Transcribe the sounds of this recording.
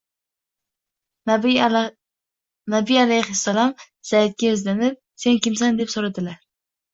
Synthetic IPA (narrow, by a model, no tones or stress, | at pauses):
nabialajhɪsːalɒm | z̥ajat̪̚kʲajɵzlanɪp̚se̞nkʲɪmsand̪e̞psoɾad̪ɪlaɾ